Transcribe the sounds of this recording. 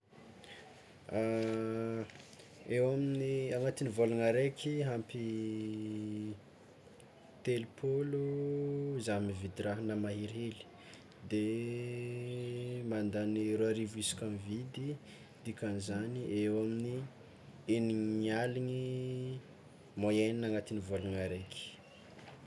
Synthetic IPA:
a | ewaminiaŋat̪inivolaŋaɾekʲʰiɦampi | t̪elupʰolu | zamvid̪iɾaɦinamaɦiɾeli̥ | d̪e | mand̪aniɾoaɾivuisi̥kʲamivid̪i | d̪̥ikanizaniʔewamini | eniŋaliŋi | mojeninaŋat̪inivoluŋaɾekʰi̥

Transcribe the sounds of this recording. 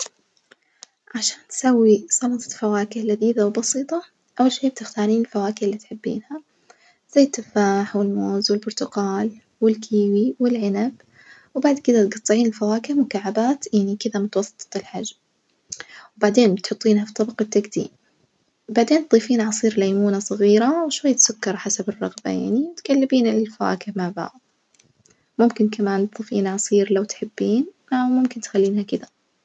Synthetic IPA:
ʕaʃaːnt̪sawːisˤɑnɑt̪ˤɑ̥fawaːkɪhlaðiːðawbɑsiːt̪ˤɑ | ʔawːalʃeːb̚t̪ɪxt̪aːniːnɪlfawaːkɪhlːiːt̪ħɪbːḭːnha | z̥ajːt̪ːɪfaːħwɪlmoːzwɪlbʊɾt̪ʊɡaːl | wɪlkʰiːwiwɪlʕɪnab | wbaʕd̪kɪd̪at̪ɡɑt̪ˤːɨʕiːnɪlfawaːkɪhmʊkaʕːabaːt̪jaʕnikɪðamʊt̪wɑsˤːɨt̪ːɨ̥t̪ˤɪlħad͡ʒ | wbaʕd̪eːnbɪt̪ħʊt̪ˤːiːnhafit̪ˤːɑbɑqɪt̪ːaɡd̪ḭːm | baʕd̪eːnt̪̚ˤðˤiːfiːnʕɑsˤiːɾlajmuːnasˤɨɣiːɾawɪʃwajːat̪sʊkːɑɾˤħasabɪrˤːɑɣba̰ja̰ʕnimʊt̪kalːɪbiːnɪlɪlfawa̰ːkɪhmaʕba̰ʕd̪ˤ | mʊmkɪnkamaːnt̪̚ðˤiːfḭːnʕɑsˤiːɾlawt̪ħɪbːiːn | amʊmkɪnt̪xalːiːnhakɪd̪a

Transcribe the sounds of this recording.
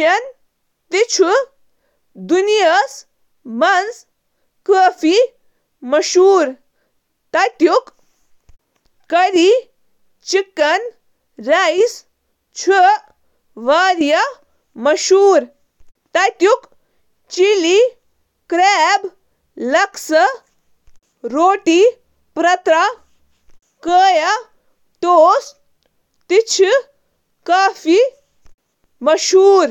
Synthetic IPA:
ɐn | t̪it͡ʃʰu | d̪unijɐs | mɐns | kəːfi | mɐʃuːɾ | t̪ɐt̪juk | kɐɾi | t͡ʃikːɐn | ɾais | t͡ʃʰu | ʋaːɾjɐ | mɐʃuːɾ | t̪ɐt̪juk | t͡ʃili | kɾeːb | lɐksɐ | ɾoːʈi | pɾɐt̪ɾɐ | kəːjɐ | t̪oːs | t̪it͡ʃʰi | kaːfi | mɐʃuːɾ

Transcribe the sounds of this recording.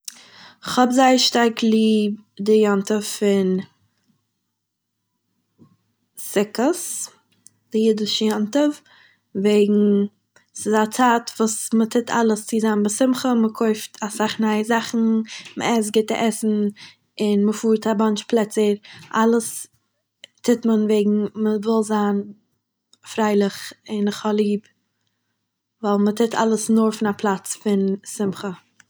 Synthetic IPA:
ɪχhɔbzaɪəɾʃtaɾkʰlˠiːb̚dɪjɔntəffɪn | sɪkəs | d̥ɪjɪdɪʃəjɔntəf | veɪɡŋ̩ | sɪzat͡saːtvuːsmətʰɪtʰa̰lˠəst͡sɪzambəsɪmχəməkʰoɪftʰasaχnaɪəzaχn̩mə̰ɛs̬ɡɪtə̰ʔɛsn̩ | ɪnməfuːɾtʰabant͡ʃplˠɛt͡səɾʔalˠəs | tʰɪtmənveɪɡŋ̩məvɪlˠzaːn | fɾaɪlˠɪχɪnɪχhɔlˠiːb | valˠmətʰɪtʰa̰lˠəsnʊɾfɪnapʰlˠat͡sfɪnsɪmχə

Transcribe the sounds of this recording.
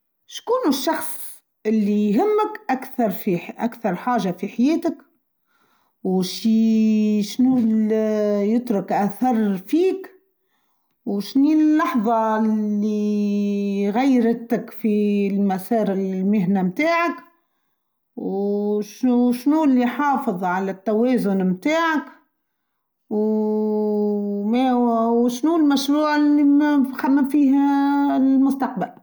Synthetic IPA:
ʃkuːnɪʃːɑxsˤ | ʔɪlːijɦɪmːəkʔakθɑɾˤfiʔa̰kθɑɾˤħaːʒafiħajeːt̪ɪk | wʃi | ʃnuːljət̪ɾʊkʔæθɑɾˤfiːk | wʃniːlːɑħðˤɑlːi | ɣajːɾt̪ɪkfilmæsɑːɾɪlmɪɦnæmt̪aːʕak | wʃuʃnuːlːiħɑːfɨðˤʕalæt̪ːæwɛːzʊnmt̪aːʕak | w | mɛwwʃnulmæʃɾuːʕɪlːimxamːæfiːh | mʊst̪ɑq̚bal

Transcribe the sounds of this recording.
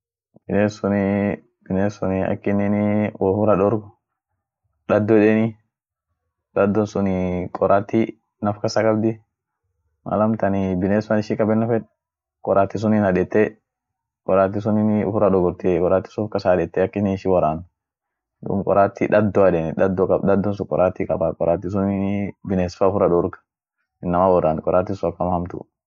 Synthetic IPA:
b̥ɪneːsʊnɪ | bɪneːsʊnɪɐ̰kːɪnɪnɪwɔfʊɾɐᶑɔɾɡʊ | ᶑɐd̪ːɔᶑɛnɪ | dɐd̪ːɔnsʊnɪkʼɔɾaːt̪ːi | nɐfkɐsakʼɐbd̪ɪ | ma̰lɐmt̪ɐnɪbɪneːsɐnɪʃɪkʼɐbɛnːɐfɛᶑ | kʼɔɾʔaːt̪ːis̬ʊnɪnɐdɛt̪ːe | kʼɔɾaːt̪ːis̬ʊnɪnʊ̰fʊɾɐᶑɔɡɔɾt̪ekʼɔɾaːt̪ːi̥sfkɐsaᶑɛt̪ːɛɐkːɪnɪʃɪwɔɾaːn | d̪ṵmkʼɔ̰ɾaːt̪ːiᶑɐd̪ːɔɐᶑeːnɪᶑɐd̪ːɔkʼɐd̪ɐd̪ːɔnsʊkʼɔ̰ɾʔaːt̪ːikʼɐ̰bakʼɔ̰ɾaːt̪ːis̬ʊnibɪneːsfaʊfʊɾɐdɔɾkɐ̥ | ɪnːɐmawɔɾaːnkʼɔɾʔaːt̪ːɪsʊɐkːɐmhɐmt̪ʊ̰

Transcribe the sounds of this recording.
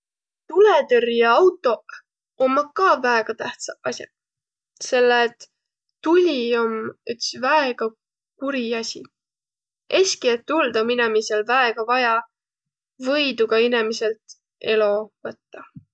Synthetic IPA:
t̪ulet̪erjɑɑwt̪ːˑo̞ | omːɑkːɑːvæeɡ̥ɑt̪æht̪sɑɑsʲjɑ̰ | se̞lːet̪ː | ulʲio̞my̰t̪svæeɡ̥ɑ | kuɾiɑsʲi | ʔe̞sʲkiet̪ːuld̪ominemiselvæeɡ̥ɑvɑjɑ | vɤjd̪uɡ̥ɑinemise̞lt̪ | e̞lo̞vɤt̪ːɑ

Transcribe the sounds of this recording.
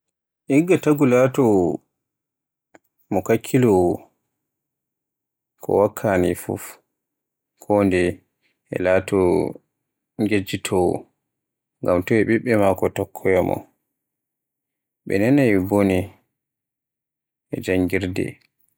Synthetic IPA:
ʔiɡːataɡulatɔ | mɔkakʰːilɔ | kʰɔ̰wakʰːanifṵf | kʰɔndɛ | ɛ̰laːtɔ | ŋɡed͡ʒitʰɔ̰ | ŋɡamtɔɛɓiɓːɛmakɔtɔkʰːɔjamɔ̰ | ɓɛ̰nɛnajbonɛ | ʔɛ̰d͡ʒaŋɡiɾdɛ̰

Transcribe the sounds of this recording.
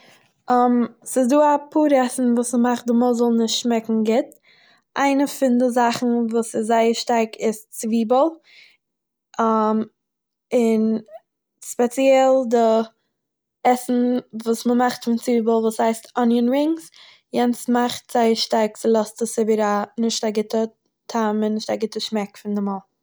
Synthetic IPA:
ɔmsɪsduːapʰuːɾɛsn̩vuːsməmaχt̚dɪmɔlˠzɔlˠnɪʃtʃmɛkŋ̩ɡɪt | ʔa̰ɪnəfɪndɪzaχn̩vuːsɪzaɪəɾʃtaɾkʰɪst͡sviːbəlˠ | am | ɪn | spɛt͡siɛlˠdɪ | ɛsn̩vuːsməmaχtfɪnt͡sviːbəlˠvuːshaɪstɔnjənɹɪŋs | jɛnsmaχtz̥aɪəɾʃtaɾkt͡sɪlˠɔstəsɪbəɾanɪʃtaɡɪtə | tʰamɪnːɪʃtaɡɪtəʃmɛkfɪndɪmɔlˠ

